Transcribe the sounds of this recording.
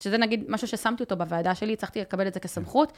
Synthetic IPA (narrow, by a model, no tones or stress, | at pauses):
ʃezenaɡid̪maʃuʃesamt̪io̞tobaveadaʃe̞lit͡saχt̪ilekabe̞letzeke̞samχut